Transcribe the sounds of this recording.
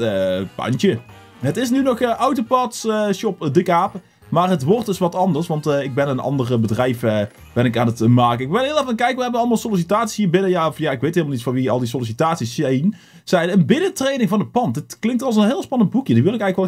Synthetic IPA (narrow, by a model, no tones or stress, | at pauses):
pɑ̰ntə | ɦətɪsnynɔxəʔawtopɑtsʃɔpdəkaːp | maːrɦətʋɔɹtɪsʋɑtɑndəɹsʋɑntɪɡ̚bɛnənɑ̰ndərəbədrɛjfə | b̥ɛnɪkaːnətmaːkəɪkbɪlˠɦɪːlˠɛfɑnkɛjkəʋəɦɛbənɑlˠmɑlˠsolis̬itaːtsi̥shiːɹbɪnəjaɔfjaɪkʋejtɦɪlˠmɑlnitfɑnʋiɑ̰lˠdis̬ɔlis̬itaːtsisɛjn | sɛjnənbɪnətrejnɪŋvɑndəpɑntdɪtklɪŋktɑlˠs̬ənɦɪːlˠspɑnənd̚bukjədəʋɪlˠɪkɛjɣləkʋɛ